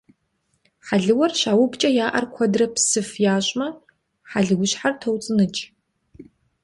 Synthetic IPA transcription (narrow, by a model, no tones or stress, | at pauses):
ħaɮɨwɐrɕaːwʊpt͡ʃʼɐjaːʔɐ̰rkʷʰɐdrɐpsɨfjaːɕʼmɐ | ħaɮɨɡʷʊɕħartʰɐwt͡sʼɨnɨt͡ʃʼ